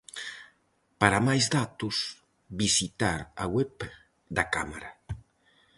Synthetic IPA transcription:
paɾamajzðat̪ʊs | bisit̪aɾawɛp | d̪aka̰maɾa

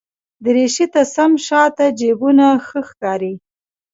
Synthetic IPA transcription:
d̪əɾeʃit̪asamʃɑt̪ad͡ʒebunaxəxkɑɾi

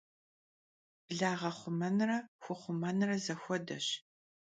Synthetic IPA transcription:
b̥ɮaːʁɐχʷʊmɐnrɐxʷʊχʷʊmɐnrɐzɐxʷɔdɐ̰ɕ

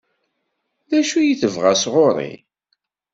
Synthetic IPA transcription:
ðæʃujəθəvʁasʁoɾˤḭ

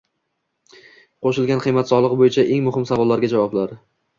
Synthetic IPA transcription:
qʰoʃɪlɡʲanqʰɨjmat̪sɒlˠɨʁbojɪt͡ʃʰaʔe̞ŋmʊɦɪmsavɒlˠːaɾɡʲad͡ʒavɒblaɾ

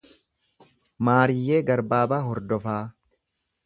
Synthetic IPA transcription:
maːɾɪjːeːɡɐɾbaːbaːɦɔɾd̪ɔfaː

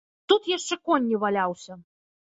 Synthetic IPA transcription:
t̪ut̪jaʂt͡ʂɛkɔnʲːivalʲawsʲɐ

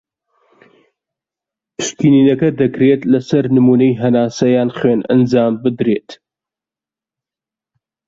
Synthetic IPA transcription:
pʰɨʃkiːniːnɐkɐd̪ɐkɾet̪lɐsɐɾnɨmuːnɐjɦɐnaːsɐjaːnχweːnʔɐ̰nd͡ʒaːmbɨd̪ɾeːt̪

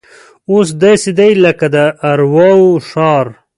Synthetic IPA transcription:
os̬d̪ɑsed̪ajləkad̪əʔːɾwawʂɑːɾ

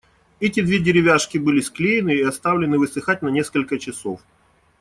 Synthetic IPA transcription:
ɛtʲɪd̪vʲedʲɪɾʲɪvʲaʂkʲɪbɨlʲɪsklʲejɪnɨːɐst̪avlʲɪnɨvɨsɨxat̚ʲnɐnʲe̞skəlʲkət͡ɕɪsof

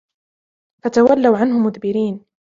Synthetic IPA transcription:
fat̪awalːawʕanɦʊmʊðbɪɾiːn

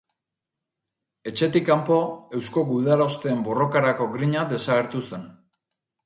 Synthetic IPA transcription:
e̞t͡ʃe̞t̪ikampo̞e̞wsko̞ɡuðalo̞st̪e̞ːmbo̞ro̞kaɾako̞ɡɾiɲaðe̞saɣ̞e̞ɾt̪use̞n

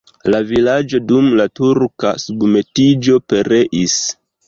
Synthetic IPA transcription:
lavilad͡ʒo̞dumlatuɾka̰subme̞tid͡ʒo̞pe̞ɾe̞ʔis

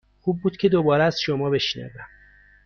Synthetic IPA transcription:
xuːb̚ːuːd̪̥cʰe̞d̪obɒːɾeæz̥ʃomɒːbe̞ʃnæ̰væm

